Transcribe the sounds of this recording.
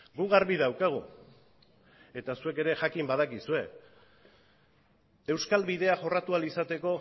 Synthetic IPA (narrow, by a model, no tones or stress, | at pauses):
ɡuɣaɾβiðawkaɣ̞u | e̞t̪asue̞ke̞ɾe̞ʝakimbað̞akisue̞ | e̞wskalβiðe̞aʝo̞rat̪ualisat̪e̞ko̞